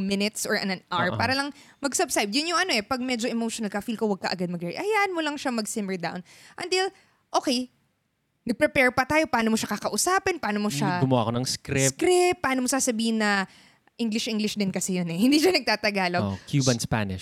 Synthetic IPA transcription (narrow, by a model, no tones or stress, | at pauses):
mɪnɪt̪sɔɹʔɐnɐnʔaɹppaːɾɐlɐŋ | mɐɡsɐbskajbd̪jʊnjʊŋʔɐno̞ʔɛpɐɡ̚mɛd͡ʒoʔɛmowʃonɐlkɐfilkowɐɡ̚kɐʔɐɡad̪̚mɐɡɛɹḭʔɐjaːʔɐnmolɐŋʃamɐɡsɪmɛɹd̪a̰wnʔɐnt̪ɪl | ʔoːkɛj | nɐɡ̚pɾɛpɛɹpɐt̪aːjo̞pɐʔaːnomoʃakɐkɐʔʊsaːpɪnpɐaːnomoʃaɡʊmʊa̰ːkonɐŋskɾɪskɾɪp̚pːaaːnomosaːsɐbiːhɪnːɐ | ʔiŋɡlɪʃʔiŋɡlɪʃd̪ɪnkɐsɛjonɛhɪnd̪iʃɐnɐɡ̚t̪aːt̪ɐɡaːlokʰjuːbɐnspa̰nɪʃ